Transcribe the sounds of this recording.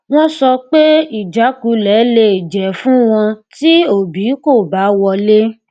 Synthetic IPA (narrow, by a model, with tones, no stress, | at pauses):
w̃ɔ̃˦sɔ˧k͡pe˦i˨d͡ʒa˨˦ku˨˦lɛ˨˦le˦˨d͡ʒɛ˨fũ˦w̃ɔ̃˧ti˦o˦˨bi˨˦ko˦˨ba˨˦wɔ˧le˦